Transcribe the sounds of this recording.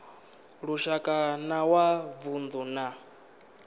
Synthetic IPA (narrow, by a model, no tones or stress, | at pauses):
ɺuʃakʼanawavunduna